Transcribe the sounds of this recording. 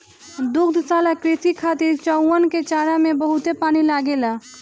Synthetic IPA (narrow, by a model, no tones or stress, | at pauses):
d̪ukʰd̪ʱsalakɾisikʰat̪iɾt͡ʃəuənket͡ʃaɾamebəɦut̪epanilaɡela